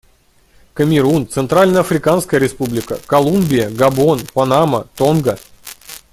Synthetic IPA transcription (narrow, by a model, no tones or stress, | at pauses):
kəmʲɪɾunt̪sɨnt̪ɾalʲnəjəɐfɾʲɪkanskəjəɾʲɪspublʲɪkə̰kɐlˠumbʲɪjəɡɐbo̞npɐnamə̰t̪onɡə